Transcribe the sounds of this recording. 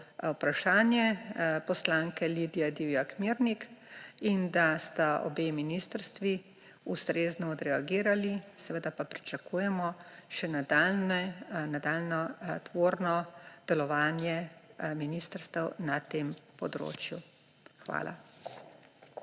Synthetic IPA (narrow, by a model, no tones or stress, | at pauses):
wpɾaʃaːnjɛpɔslaːŋkɛlid̪ijad̪iwjakmiɾnikind̪ast̪aɔ̰beminist̪əɾst̪ʋi | ust̪ɾeznɔːd̪ɾɛaɡiːɾalisɛʋəd̪apapɾit͡ʃakuːjɛmɔʃɛnad̪alnɛnad̪aːlnɔt̪ʋoɾnɔd̪̥ɛlɔʋaːnjɛminist̪əɾst̪əwnat̪eːmpɔd̪ɾo̰ːt͡ʃju | xʋa̰ːlʔa̰